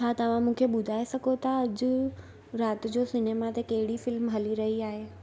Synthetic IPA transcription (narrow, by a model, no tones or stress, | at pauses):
t͡ɕʰaːt̪ɐʋ̤ãmũːkʰeɓʊd̪ʱaːesɐɡʱot̪ʰaɐd͡ʑʊ | ɾaːt̪d͡ʑosɪneːmat̪ʰekɐɦɪɽifɪlmɦɐliɾɐɦiaːɦeː